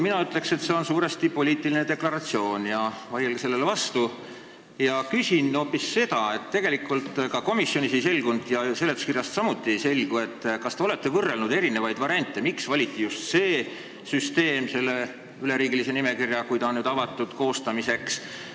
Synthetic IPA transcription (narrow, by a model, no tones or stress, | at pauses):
minɑyt̪ːˑle̞kse̞t̪se̞o̞nsuːɾest̪ipo̞liːt̪ːˑilined̪e̞klɑɾɑt̪sio̞ːnjɑvɑjelɡese̞lːe̞levɑst̪u | jɑkysʲino̞ːpːˑisːe̞d̪ɑe̞t̪ːe̞ɡ̥e̞likːˑult̪kɑko̞misjo̞nisejse̞lɡ̥und̪̥jɑse̞lːet̪skirjɑst̪sɑmut̪ːˑiejse̞lʲɡ̥ue̞t̪ːkɑst̪eo̞le̞t̪ˑːe̞vɤrːe̞lnud̪e̞ɾine̞vɑjd̪vɑɾiɑnʲt̪ːˑe̞miksvɑlʲit̪ːˑijust̪se̞ː | syst̪e̞ːmse̞lːe̞ | yle̞ɾiːɡilise̞nime̞kirjɑkujd̪ɑonyːd̪ɑvɑt̪ːˑud̪̥ko̞ːst̪ɑmise̞ks